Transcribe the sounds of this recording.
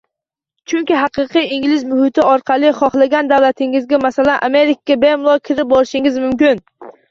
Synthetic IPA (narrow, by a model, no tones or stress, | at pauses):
t͡ʃʰʊŋkʲɪɦɑqɨqɨjɪŋlɪzmʊhɪt̪ʰɪɒɾqʰɑlˠɪχɒχlˠaɡʲand̪awlat̪ʰɪŋɪzɡʲamasalanʔameɾɪkaɡʲabemlˠɒkʲʰɪɾɪp̚bɒɾɪʃɪŋɪzmʊmkʲɪn